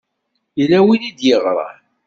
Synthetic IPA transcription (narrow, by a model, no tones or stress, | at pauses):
læwinid̪jəʁɾˤɑ̰